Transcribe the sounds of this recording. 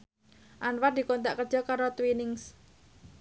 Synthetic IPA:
ʔanward̪i̤kont̪a̰ʔkərd̥ʒ̥ɔ̤kaɾot̪winɪŋs

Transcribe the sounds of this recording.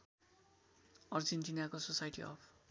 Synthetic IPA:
ʌrd͡zenʈinakososajʈḭʌ̰pʰ

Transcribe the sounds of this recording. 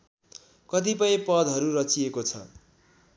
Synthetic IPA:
kʌt̪̬ipʌjĩpʌd̪ʱɦʌɾuɾʌt͡siekot͡sʰʌ̰

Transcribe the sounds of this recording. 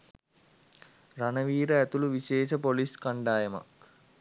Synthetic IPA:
ranəʋiːɾəæt̪uluʋiʃeːʃəpoliskaɳɖaːjəma̰k

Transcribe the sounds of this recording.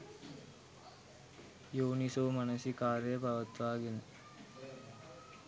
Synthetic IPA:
joːnisoːmanəsikaːɾəjəpaʋət̪ʋaːɡenə

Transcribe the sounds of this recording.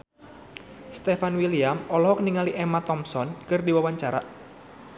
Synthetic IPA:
st̪efanwiliamɔlɔɦɔkniŋaliʔemat̪ɔmsɔnkɨrdiwawaɲt͡ʃaɾa̰

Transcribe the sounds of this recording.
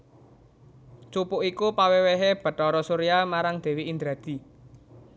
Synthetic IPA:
t͡ʃupʊʔikupaweweɦeb̥ə̤t̪ɔɾɔsuɾijamaɾaŋd̪̥e̤wiind̪ɾa̤d̪̥i̤

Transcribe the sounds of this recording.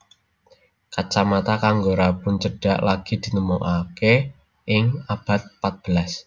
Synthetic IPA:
kat͡ʃamat̪akaŋɡoɾapʊnt͡ʃəɖ̥a̤ʔlaɡ̥id̪̥i̤nəmoʔake | ʔɪŋab̥a̤t̪̚pat̪̚b̥əlas

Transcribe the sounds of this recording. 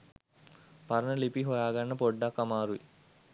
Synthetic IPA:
paɾənəlipiɦojaːɡaɳːəpoɖːakːamaːɾuʋḭ

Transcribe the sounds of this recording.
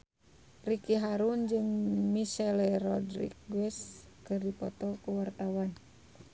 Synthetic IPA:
rikiɦaɾund͡ʒɨŋmiʃɛlɛrɔdɾḭk̚ɡwɛskɨrdipɔt̪ɔkuwart̪awan

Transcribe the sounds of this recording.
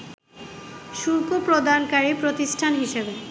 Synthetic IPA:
ʃuɾkopɾod̪ankaɾipɾot̪isʈʰanɦiʃebe

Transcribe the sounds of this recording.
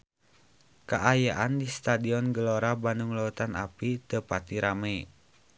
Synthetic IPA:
kaʔajaʔandist̪adiɔnɡəlɔɾabanuŋlɔut̪ana̰pit̪əpat̪iɾamɛ

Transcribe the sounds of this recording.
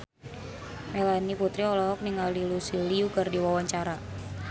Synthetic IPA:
melaniput̪ɾiɔlɔɦɔk̚niŋalilusiliuɡardiwawaɲt͡ʃaɾa

